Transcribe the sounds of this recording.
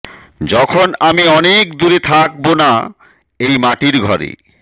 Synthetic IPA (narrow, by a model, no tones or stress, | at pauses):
d͡ʑɔkʰonamiɔnek̚d̪uɾet̪ʰak̚bona | ejmaʈiɾɡʱɔɾḛ